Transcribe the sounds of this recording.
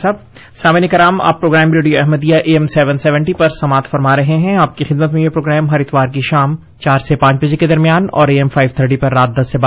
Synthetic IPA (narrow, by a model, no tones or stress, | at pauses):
sab̚ | saːmenekɐɾaːma̰ːpːɾoːɡɾɛːmɾeːɖijoɛɦməd̪ijaʔeːɛmsɛːʋənsɛʋə̃ɳʈipɐɾsɐmaːt̪ʰfɐɾmaːɾɐɦeɦɛ̃aːp̚kixɪd̪mət̪mẽjepɾoːɡɾɛːmɦɐɾɪt̪ʋaːɾk̬iʃaːm | t͡ʃaːɾsepãːt͡ʃbɐd͡ʒeked̪ɐɾmijaːnɔ̰ːɾeːɛmfʰaːɪʋt̪ʰəɾʈipɐɾːaːt̪̚d̪ɐsːeba